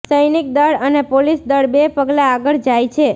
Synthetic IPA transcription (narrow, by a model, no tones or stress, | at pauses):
səjnik̚d̪əɽənepolisd̪əɽbepəɡlaːɡəɭd͡ʒajt͡ʃʰe